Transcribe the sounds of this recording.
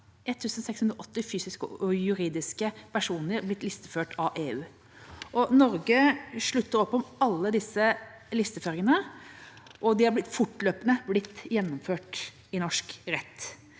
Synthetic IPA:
ʔɛt̪ʰːʉːsənsɛkshʉnd̪ɾəʔɔt̪ːɪfyːsɪskəɔjʉɾiːd̪ɪskəpʰæʂuːnəɾblɪt̪ːlɪst̪əføːʈʰɑʔeːʉː | ʔɔnɔɾɡəʂɭʉt̪ːəɾɔpːɔmɑlːəd̪ɪsːə | lɪst̪əføːɾɪŋənə | ʔɔd̪ɪhɑblɪt̪fʊʈːløːpənəblɪt̪ːjɛnːɔmføːʈ | ɪnɔʂkɾɛt̪ː

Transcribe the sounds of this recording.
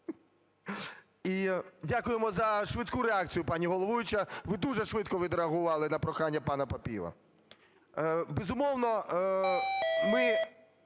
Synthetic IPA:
idʲakʊjemɔzɐʃʋɪt̪kuɾeɑk̚t͡sʲijʊpɑnʲiɦɔlˠɔʋujɪt͡ʃɐʋɪd̪uʒɛʃʋɪt̪kɔʋʲid̪ɾeɐɦʊʋɑlˠɪnɐpɾɔxɑnʲːɐpɑnɐpɐpʲḭʋɐ̰ | bezʊmɔwnɔ | mɪ

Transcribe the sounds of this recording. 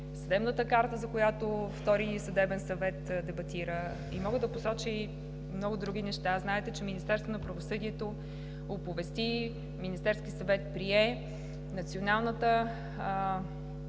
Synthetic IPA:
sɐd̪ɛbnət̪əkaɾt̪əzɐkojat̪oft̪ɔɾisɐd̪ɛbɛnsɐvɛt̪d̪ɛbɐt̪iɾə | ḭmɔɡəd̪ɐposɔt͡ʃi | mnɔɡʊd̪ɾuɡ̟inɛʃt̪aznaɛt̪ɛt͡ʃɛminist̪ɛɾst̪vonɐpɾɐvosɤd̪iɛt̪o | opovɛst̪i | minist̪ɛɾskisɐvɛt̪̚pɾiɛ | nɐt̪sionalˠnət̪ə

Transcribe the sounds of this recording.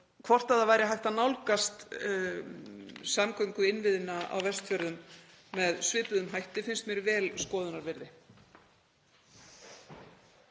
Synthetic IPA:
kʰv̥ɔr̥t̪aðavaːjɾɪɦajht̪anawlkast̪ | samkœɥŋkʏɪnvɪðɪnaa̰wvɛr̥st̪fœɾðʏmː | ɛðsvɪːp̪ʏðʏmɦajht̪ɪfɪnst̪mjɛɾvɛːlskɔːðʏnaɾvɪɾðɪ

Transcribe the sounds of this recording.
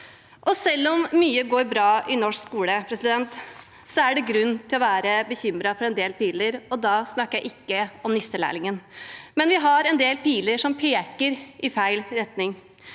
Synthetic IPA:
ʔɔsɛlːɔmːyːəɡoːɾbɾɑːʔɪnɔʂkskuːləpʰɾɛsɪd̪ɛnt̪ | sɔæɖɛɡɾʉnːt̪ʰɪlɔʋæːɾəbəçʏmɾɑfɔɾɛnd̪eːlpiːləɾɔd̪ɑːsnɑkəjæɪʔɪkːəɔmnɪst̪əlæ̰ːɭɪŋənmɛnʋɪɦɑɾɛnd̪eːlpiːləɾʂɔmpʰeːkəɾɪfæɪlɾɛt̪nɪŋ

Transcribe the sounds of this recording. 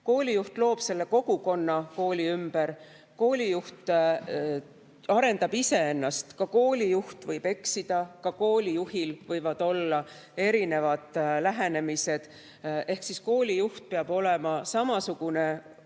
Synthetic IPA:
ko̞ːlijuht̪lo̞ːb̥se̞lːe̞ko̞ɡ̥uko̞nːɑko̞ːlʲiymb̥eɾ | ko̞ːlʲijuht̪ | ɑɾe̞nd̪ɑb̥ise̞e̞nːɑst̪kɑko̞ːlʲijuht̪vɤjb̥e̞ksid̪̥ɑkɑko̞ːlʲijuɦilvɤjvɑd̪̥o̞lːɑ | e̞ɾine̞vɑd̪̥læɦene̞mise̞d̪̥ | e̞hksisko̞ːlʲijuht̪̚peɑbo̞le̞mɑsɑmɑsuɡ̥une̞

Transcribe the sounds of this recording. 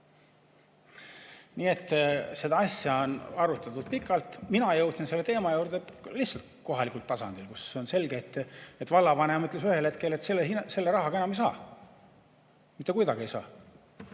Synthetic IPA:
niːe̞t̪ːˑse̞d̪ɑɑsjɑonɑɾut̪ːˑɑt̪ud̪̥̚pikːˑɑlt̪minɑjɤwt̪sinse̞lːe̞t̪e̞ːmɑjuːɾd̪̥elihsɑlt̪ko̞ɦɑlikˑult̪ːɑsɑnd̪̥ilkuseo̞nse̞lɡet̪ːˑet̪ːvɑlːɑvɑnemɤt̪lesyhe̞lhe̞t̪ke̞le̞t̪selːehinse̞lːeɾɑɦɑɡ̥ɑe̞nɑmejsɑ̰ː | mit̪ːe̞kujd̪ɑɡiejsɑ̰ː

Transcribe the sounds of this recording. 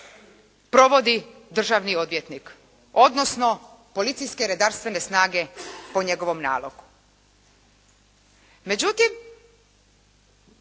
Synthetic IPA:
pɾo̞ʋo̞d̪id̪r̩ʒaʋnio̞d̪ʋjet̪nik | o̞d̪no̞sno̞po̞lit̪sijske̞ɾed̪aɾst̪ʋene̞snaːɡe̞poɲe̞ɡo̞ʋo̞mna̰ːlo̰ɡu̥ | me̞d͡ʑut̪im

